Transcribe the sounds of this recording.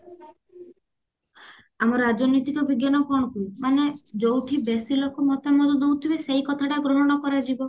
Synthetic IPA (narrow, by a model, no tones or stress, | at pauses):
amɔɾɾad͡ʒɔnɔjt̪ikɔbʱiɡjanɔkɔɽ̃ɔkumaned͡ʒowʈʰibesilɔkɔmɔt̪ʰamɔd̪ɔd̪owt̪ʰibeseɦikɔt̪ʰaʈaɡɾɔɦɔɽ̃ɔkɔɾad͡ʒibɔ